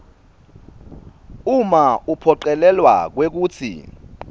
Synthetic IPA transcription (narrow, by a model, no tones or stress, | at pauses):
umaupʰɔǃɛlɛlwa̰k̬wek̬uːt͡sʰḭ